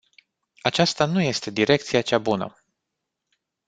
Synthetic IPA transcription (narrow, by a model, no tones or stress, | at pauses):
at͡ʃast̪anuje̞st̪e̞d̪iɾe̞k̚t̪sijat͡ʃabunə̰